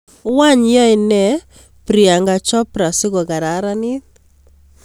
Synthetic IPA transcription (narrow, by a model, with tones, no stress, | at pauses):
wa˦˨ɲjɔ˦ɪ˨nɛ˦˨ | pɾi˨a˨ŋɡa˨t͡ʃɔ˦pɾa˨sɪ˦ɡɔ˨ɡa˨ɾa˨˦ɾa˦nɪ˦